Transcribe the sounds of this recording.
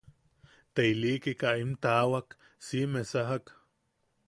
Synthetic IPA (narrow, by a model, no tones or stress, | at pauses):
t̪eilikikaʔimt̪awak | simesaɦak